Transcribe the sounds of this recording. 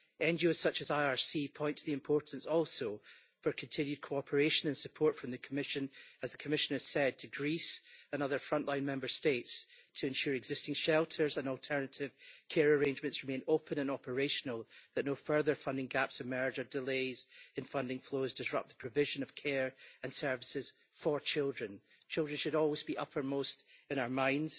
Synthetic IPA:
ɛ̃nd͡ʒioz̥sʌt͡ʃɨzaɪəɹsipʰɔ̃ɪ̃ntʰəðiɪ̃mpʰɔɹʔn̩sɔlˠso | fə˞kʰə̃ntʰɪ̃njʉd̚kʰoɔpʰə˞eʃə̃nə̃nsəpʰɔɹtfɹə̃mðɨkʰəmɪʃə̃nəzðəkʰəmɪʃə̃nɨz̥sɛd̚tʰɨɡɹisə̃nʌðə˞fɹʌ̃nʔlˠãɪ̃nmɛ̃mbə˞stetstʰəɪ̃nʃʉɹɨɡzɪstɪ̃ŋʃɛlˠtʰə˞zə̃nɔlˠtʰɜ˞nəʔɪv̥kʰeɹəɹẽnd͡ʒmɨ̃ntsɹɪmẽnopʰə̃nə̃nɔpʰə˞eʃnəl̩ˠðəʔnofɜ˞ðə˞fʌ̃ndɪ̃ŋɡapsɨmɜ˞d͡ʒə˞dɪlˠezɨ̃nfʌ̃ndɪ̃ŋflˠozdɪsɹʌ̰p̚ðə̥pʰɹ̥ɨvɪʒɨ̃nʌv̥kʰeɹɨ̃nsɜ˞vɪsɪz̥ | fə˞t͡ʃʰɪlˠdɹə̃n | t͡ʃʰɪlˠdɹə̃nʃɨɾɔlˠwɪzbiʔʌpʰə˞mostɪ̃ñaʊə˞mãɪ̃ndz̥

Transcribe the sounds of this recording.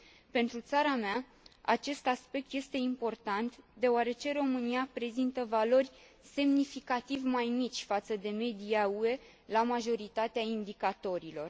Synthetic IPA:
pe̞nt̪ɾut̪saɾamea | a̰t͡ʃe̞st̪aspe̞k̚t̪je̞st̪e̞impo̞rt̪ant̪d̪e̞oaɾe̞t͡ʃe̞ɾo̞mɨniapɾe̞zint̪əvalo̞rʲ | se̞mnifikat̪ivʲmajmit͡ʃʲfat̪səd̪e̞me̞d̪iaue̞ | lamaʒo̞ɾit̪at̪eaind̪ikat̪o̞ɾilo̞r

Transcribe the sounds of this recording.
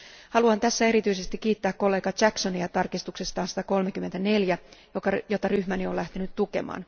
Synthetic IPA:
hɑluɑnt̪æsːæe̞ɾit̪yise̞st̪ikːiːt̪ːæːkko̞lːe̞ːɡɑt͡ʃækso̞niɑt̪ɑrkist̪uksest̪ɑːnsi̥t̪æko̞lmekymːe̞nt̪æne̞ljæjokɑjot̪ɑryhmænio̞læht̪enyt̪t̪ːuke̞̰mɑ̰ːn

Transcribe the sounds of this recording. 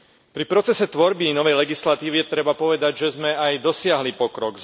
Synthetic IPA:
pɾipɾɔt͡sɛsɛt̪ʋɔɾbinɔʋɛjlɛɡislat̪iːʋiɛt̪ɾɛbapɔʋɛd̪aɟʒɛzmɛajd̪ɔsɪaɦlipɔkɾɔɡ

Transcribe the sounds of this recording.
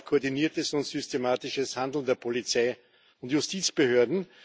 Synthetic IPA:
kʰoːɐdiniːɐtəsʊ̃ntsʏstemaːtɪʃəshãndl̩n̩deːɐpʰolit͡saɪ | ʊntjʊstiːt͡sb̥əhøːɐdn̩

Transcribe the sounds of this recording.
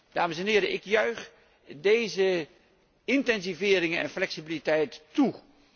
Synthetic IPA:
d̥aːməsɛnɦɪːɾəʔɪkjœɥχ | dejzə | ɪntɛnzivɪːɾɪŋənɛ̰nflɛksibilitɛjtːu

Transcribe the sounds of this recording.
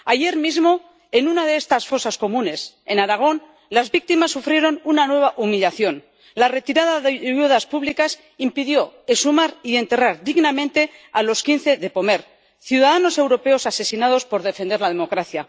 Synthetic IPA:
aʝe̞ɾmizmo̞ | e̞nunaðe̞est̪asfo̞sasko̞mũne̞s | e̞naɾaɣ̞o̞n | lazβik̚t̪imasːufɾje̞ɾo̞nunanwe̞β̞aʔumiʎaθjo̞n | lare̞t̪iɾaðaðejuðaspuβlikas | impiðjo̞esumaɾie̞nt̪e̞raɾðiɣnamẽnt̪e̞alo̞skin̟θe̞ðe̞po̞me̞ɾ | θjuðaðano̞se̞wɾo̞pe̞o̞sase̞sinað̞o̞spo̞ɾðe̞fe̞nd̪e̞ɾlað̞e̞mo̞kɾaθja

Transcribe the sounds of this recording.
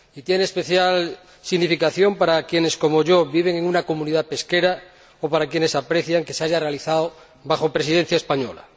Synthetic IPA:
it̪jeneːspe̞θjal | siɣnifikaθjo̞mpaɾakje̞ne̞sko̞moʝoβiβ̞e̞ŋeŋunako̞mũniðape̞ske̞ɾa | opaɾakje̞ne̞sapɾeθjaŋke̞seaʝare̞aliθao | βaxo̞pɾesiðen̟θjaespaɲola̰

